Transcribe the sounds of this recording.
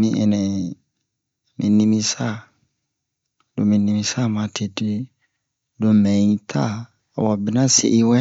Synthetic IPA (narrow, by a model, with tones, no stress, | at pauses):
mĩ˨ʔɛ̰˨nɛ̃˨ | mḭ̃˨nĩ˦mĩ˦sa˦˨ | do˨mĩ˨˦nĩ˨mĩ˨sa˦˨mã˨˦tʰe˨de˦ | do˨mɛ̃˨˦tʰa˦˨ | wɔ˨bɪ˦nã˦sḛ˨ʔi˦wɛ˦